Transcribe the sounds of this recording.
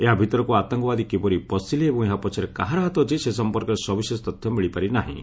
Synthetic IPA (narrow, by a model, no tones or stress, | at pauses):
eɦabʱit̪ɔɾɔkuat̪ɔŋkɔbad̪ikebɔɾipɔsiliebɔ̃ŋeɦapɔt͡ʃʰɔɾekaɦaɾɔɦat̪ɔɦt͡ʃʰisesɔmpɔɾkɔɾesɔbisesɔt̪ɔt̪ʰjɔmiɭipaɾinaɦḭ̃